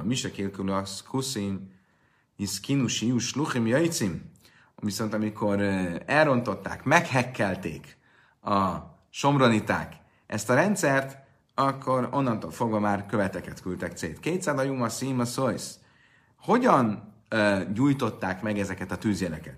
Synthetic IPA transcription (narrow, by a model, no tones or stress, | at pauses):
miʃɛkeːlkylɒskʰusim | iskinuʃiuʃluχimjɒjit̪sim | viso̞nt̪ɒmikʰo̞ɾɛlro̞nt̪o̞t̪ːa̰ːkmɛkhɛkːɛlt̪ḛːk | ɒ | ʃo̞mro̞nit̪a̰ːk | ɛst̪ɒɾɛnt̪sɛrt̪ | ɒkʰːo̞ɾo̞̰nːɒnt̪oːlfo̞ɡvɒmaːrkø̞vɛt̪ɛkɛt̪kylt̪ɛkt̪sḛːt̪keːt̪saːzɒjumɒsiːmɒsojs | ho̞ɟɒn | ɟuːjt̪o̞t̪ːaːkmɛɡɛzɛkɛt̪ɒt̪yːzjɛlɛkɛt̪